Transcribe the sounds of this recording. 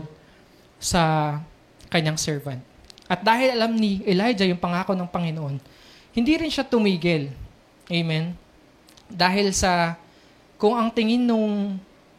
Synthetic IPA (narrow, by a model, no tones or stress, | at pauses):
d̪̚ | sɐ | kɐɲːaŋsɛɹvɐnt̪̚ʔɐt̪̚d̪aːhɪlɐlamnɪʔɛlajd͡ʒɐjʊŋpɐŋaːkonɐŋpɐŋɪnoʔo̞n | hɪnd̪iɾɪnʃat̪ʊmiːɡɪl | ʔɛjmɛn | d̪aːɦɪlsɐ | kʊŋɐŋt̪ɪŋɪnːʊŋ